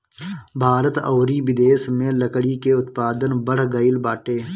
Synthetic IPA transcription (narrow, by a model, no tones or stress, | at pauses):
bʱaːɾət̪ɐːɾibɪd̪eːsmẽlɐkɽikeʊt̪paːd̪ənbɐɽ̤ɡɐɪlbaːʈeː